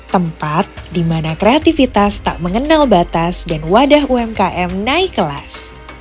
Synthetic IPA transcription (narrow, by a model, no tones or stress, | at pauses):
t̪əmpat̪̚dimanakɾeat̪ifit̪ast̪a̰ʔməŋənalbat̪asdanwadaɦuɛmkaʔɛmnaikəla̰s